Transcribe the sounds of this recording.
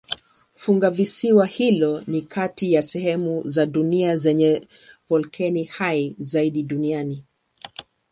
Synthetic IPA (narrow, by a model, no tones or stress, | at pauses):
fuŋɡavisiwahilɔnikʰatijasɛhɛmuzaɗuniazɛɲɛ | vɔlkʰɛnihajzaiɗiɗuniani